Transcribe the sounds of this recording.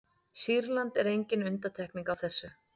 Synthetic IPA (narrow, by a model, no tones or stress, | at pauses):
siɾlant̪ɛɾejɲcɪnʏnt̪at̪ʰɛhkniŋkawθɛsːʏ